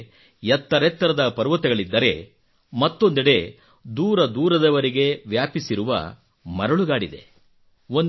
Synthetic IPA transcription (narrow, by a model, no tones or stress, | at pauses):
jɛt̪ːɐɾet̪ːɐɾɐd̪ɐpɐɾʋɐt̪iɡɐɭid̪ːɐɾe̞̰ | mɐt̪ːo̞nd̪iɽe̞ | d̪uːɾɐd̪uːɾɐd̪ɐʋɐɾiɡe̞ʋjaːpisiɾuʋɐ̰ | mɐɾɐɭuɡaːɽid̪e̞̰ | ond̪